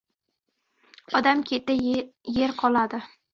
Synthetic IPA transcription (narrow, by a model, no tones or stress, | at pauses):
ɒd̪amkʲʰet̪ɪje̞ɾqʰɒlˠad̪ɪ